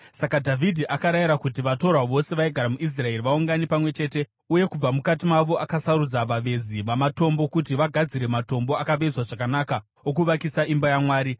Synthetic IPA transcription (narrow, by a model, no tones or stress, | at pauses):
sakadʱavʱidʱiʔakaɾajiɾakutiʋato̞ɾaʋo̞se̞ʋaiɡʱaɾamuʔis̬rae̞riʋauŋɡanipamwe̞t͡ʃe̞ːte̞ | uje̞kub͡vamukatimaʋo̞ʔakasarud͡zaʋaʋe̞ziʋamato̞mbo̞kut̬iʋaɡʱad͡ziɾe̞mato̞mbo̞akaʋezwaʐakanaka | okuʋakisaʔimbajamwaːɾi